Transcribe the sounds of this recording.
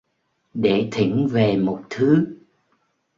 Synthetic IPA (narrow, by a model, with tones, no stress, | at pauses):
ɗe˧˩t̪ʰi˧˩ŋve˨˩mo˨˩t̚t̪ʰɨ˨˦